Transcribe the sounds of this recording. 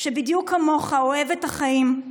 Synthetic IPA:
ʃebidjukʰːamo̞χaoe̞vethaχaim

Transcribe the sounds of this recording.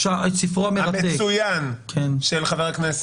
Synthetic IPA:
asifʁoameʁat̪eujankʰenʃelχaveʁknes

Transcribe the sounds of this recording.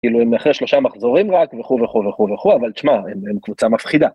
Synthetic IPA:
kiluemaχʁeʃlo̞ʃamaχzo̞ʁimʁakveχuveχuveχuveχuavalt͡ʃmaememkvut͡samafχid̪a

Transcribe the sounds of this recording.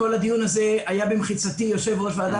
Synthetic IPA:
o̞lad̪ijunaze̞ajabemχit͡sat̪ijo̞ʃe̞vʁo̞ʃvaːd̪a

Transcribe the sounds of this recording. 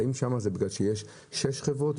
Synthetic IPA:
imʃamazebiɡlalʃejeʃː | eʃχevʁot̪

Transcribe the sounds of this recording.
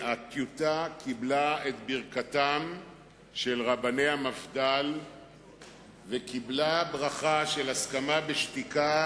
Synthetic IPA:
akjut̪akʰiblaet̪biʁkat̪am | ʃelʁabane̞jhamafd̪al | vekiblabʁaχaʃe̞laskamabeʃt̪ika

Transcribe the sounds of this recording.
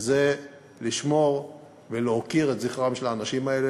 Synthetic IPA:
ze | liʃmo̞ʁ | veleokiʁetziχʁamʃelaːnaʃimaele

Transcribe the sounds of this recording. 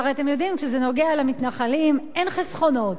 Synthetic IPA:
ʁeat̪e̞mjo̞d̪imkʃezeno̞ɡealamit̪naχalimenχisχo̞no̞t

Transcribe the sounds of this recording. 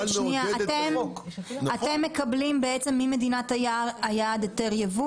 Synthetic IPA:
ʃniaatem | at̪e̞mːekɐblimbeet͡se̞mːime̞d̪inat̪ajaajad̪teʁjevu

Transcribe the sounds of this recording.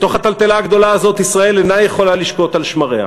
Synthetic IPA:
t̪o̞χat̪alt̪elaːɡd̪o̞laːzo̞t̪isʁae̞lenajeχo̞laliʃko̞t̪alʃmaʁea̰

